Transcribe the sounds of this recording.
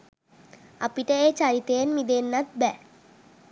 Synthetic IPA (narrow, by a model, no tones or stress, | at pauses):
a̰piʈəeːt͡ʃaɾit̪ejenmid̪enːat̪̚bɛ